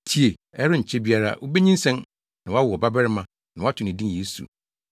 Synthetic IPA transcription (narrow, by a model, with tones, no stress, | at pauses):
tʰi˨e˨ | ɛ˦ɾʊ˦˨ɲ̩˨t͡ɕʰɛ˦bi˦a˦ɾa̰˦wo˦be˦ɲĩ˦n̩˦sɛ̃˦n | nã˨wɔ˦a˦wʊ˨ɔ˨ba˦bɛ˦ɾɪ˦mã˨ | nã˨˦a˦tʰʊ˨nĩ˨dĩ˦n˨eː˨˦sṵ˨